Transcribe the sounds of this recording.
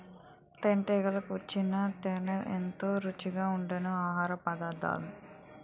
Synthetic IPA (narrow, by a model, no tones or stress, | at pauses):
t̪eɳʈeːɡɐlɐkuʋɐt͡ʃːinɐt̪enɐʔḛnt̪oːɾut͡ʃːiɡaːuɳɖɐnɐaːɦaːɾɐpɐd̪ad̪a̰ːlu